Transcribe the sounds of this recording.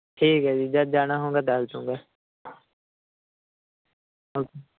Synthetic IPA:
ʈʰiːkɦɛːd͡ʒid͡ʒəd̪̚d͡ʒaːnaɦõːŋɡaːt̪alt̪õ̰ːŋɡaː | ɦoːke

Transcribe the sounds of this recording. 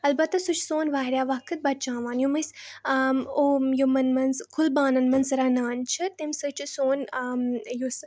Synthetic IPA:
ɐlbɐt̪ːɐsut͡ʃʰsoːnʋaːɦɾʲjaːʋɐkʰːɨt̪̚bɐt̚t͡ʃãːʋaːnjomɐs | ojomɐnmɐnzkʰʊlbaːnɐnmɐnzɾanaːnt͡ʃʰɨt̪imsɨt͡ʃʰsoːn | jos

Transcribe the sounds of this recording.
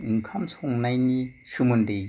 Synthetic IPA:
kʰamsʰoŋnajɲi | ʃumunde

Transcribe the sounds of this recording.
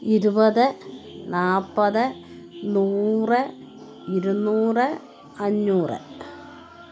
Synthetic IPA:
iɾubɐðɨnaːpːɐðɨ | nuːrɨ | iɾunːuːrɨ | ɐɲːuːrɨ̰

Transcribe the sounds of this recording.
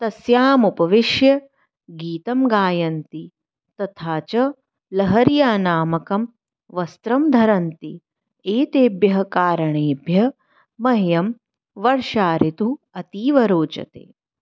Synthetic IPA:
t̪ɐsjaːmupɐʋɪʃjɐ | ɡiːt̪ɐmɡaːjɐnt̪i | t̪ɐt̪ʰaːt͡ʃɐ | lɐɦɐɾjaːnaːmɐkɐm | ʋɐst̪ɾɐmd̪ʱɐɾɐnt̪i | eːt̪eːbjɐɦɐkaːɾɐɳeːbjɐ | mɐɦjɐm | ʋɐɾʃaːɾit̪uɐt̪iːʋɐɾoːt͡ʃɐ̰t̪ḛː

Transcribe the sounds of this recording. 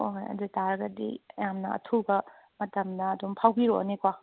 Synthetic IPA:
ojɐ̰dutaɾɐɡɐdḭjamnɐɐ̰tʰubɐ | mɐtɐmnɐːdumpʰawɡiɾo̰nekwa

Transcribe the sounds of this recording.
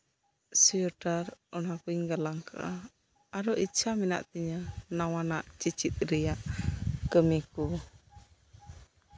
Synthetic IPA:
sijɔʈaɾɔnakuiŋɡalaŋkʰa̰ | aɾɔʔit͡ʃʰamina̰ʔt̪iɲanawanaʔt͡ʃit͡ʃit̪̚ɾijaʔkəmiku

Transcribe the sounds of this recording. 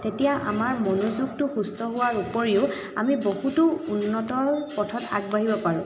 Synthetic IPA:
tetijaʔa̰maɹmonuzuɡ̚tʊxustɔɦʊwaɹupoɹiʊ | a̰mibohutʊunːɔtɔɹpɔtʰɔta̰ɡ̚baɦibɔpaɹʊ̃

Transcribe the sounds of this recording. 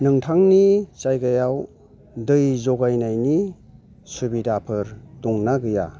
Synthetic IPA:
nɯŋtʰaŋnisajɡajaw | dɯjzɔɡajnajni | subidapʰɯɾduŋnaɡɯja̰

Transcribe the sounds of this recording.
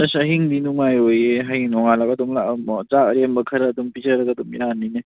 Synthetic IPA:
ɐsɐɦiŋdinuŋajojeɦaiŋnɔŋalakɐdomlat͡ʃakɾembɐkʰɐɾɐːdumpizɐɾɐɡadumiɾanːine

